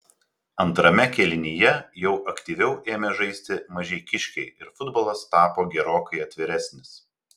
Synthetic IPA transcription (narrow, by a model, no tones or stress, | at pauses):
ɐnt̪ɾɐmʲɛkʲɛlʲɪnʲijɛjɛʊʔɐkʲt̪ʲiːʋʲɛʊʔeːmʲɛʒɐɪsʲt̪ʲɪmɐʒʲɛɪkʲɪʃʲkʲɛɪɪɾfʊd̪boːlˠɐst̪ɑːpoːɡʲɛɾoːkɐɪɐt̪ʲʋʲɪɾʲæsʲnʲɪs